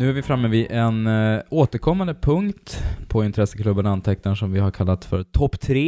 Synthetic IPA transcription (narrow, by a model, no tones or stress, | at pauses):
nʉ̟ːæɾvɪfɾamːɛviːʔɛnoːt̪əɾkʰɔmːand̪əpʰɵŋkt̪pʰɔɪnt̪ʰɾɛsːəkʰlɵbːənant̪ʰɛknanʂɔmvɪɦaɾkʰalːat̪sfœɾt̪ʰɔpːt̪ʰɾeː